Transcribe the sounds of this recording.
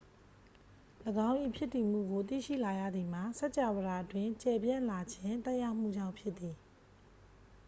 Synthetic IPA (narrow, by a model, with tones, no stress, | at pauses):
ləɡã˦ʊ̃ʔḭ˦˨pʰjɪ˦tːi˨m̥ṵ˦˨ɡo˨t̪ḭ˦˨ʃḭ˦˨la˨jä̰˦˨d̪ði˨m̥a˨sɛ˦ʔt͡ɕa˨wə˨a˨ʔətwɪ̃˦˨ɲt͡ɕɛ˨bjã˦˨nla˨d͡ʑʰɪ̃˦nt̪ɛ˦ʔja˦ʊm̥ṵ˦˨d͡ʑã˦˨ʊ̃pʰjɪ˦ʔ̪t̪ːi˨